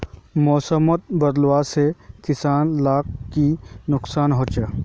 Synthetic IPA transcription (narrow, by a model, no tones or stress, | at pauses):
moːsəmət̪̚bɐd̪lwaːsekɪsaːnlaːkːinʊksaːnɦoːt͡ʃa